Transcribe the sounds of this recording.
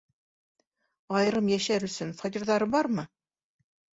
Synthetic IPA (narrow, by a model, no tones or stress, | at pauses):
ɑjɾɤmjæʃæɾɵ̆sɵnfɐt̪ʲiɾðɑɾɤbɑɾmɤ